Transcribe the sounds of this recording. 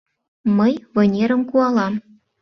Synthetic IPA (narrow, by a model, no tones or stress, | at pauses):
mɤjvɤ̆nʲeɾə̆mkuɑlˠɑm